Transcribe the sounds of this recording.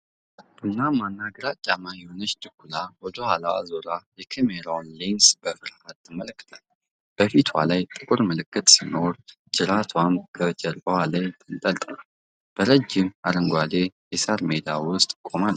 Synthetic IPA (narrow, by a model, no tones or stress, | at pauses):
bɨnːamanːaɡəɾat͡ʃʼːamajɛhonət͡ʃːt̪ʰʼɨkːulawɔd̪əhalawa̰zoɾajɛkʰemeɾawnlinsb̥əfɨɾhat̪ːɨmələkːɨ̥t̪ʰal | b̥əfit̪ʰwa̰lajt̪ʼɨkʼuɾməlɨkːɨt̪ʼsino̞ɾ | d͡ʒɨɾat̪ʰwambʰəd͡ʒɛɾbʼəwalajt̪ʰʼɨnt̪ʼəlt̪ʼnal | b̥əɾəd͡ʒːɪmaɾəŋɡʷad̪e̞jɛsaɾmed̪awʊst̪ʼkʼomal